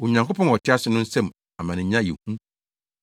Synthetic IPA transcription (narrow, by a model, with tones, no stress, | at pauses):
wo˨ɲã˨ŋkʊ˦pʰɔ̃˦nɔ˨tʰɪ˦a˦sɪ˨nʊ̃˦n̩˦sɛ̃˦m | a˨mã˨nɪ̃˨˦ɲã˦jḭ˨hũ˦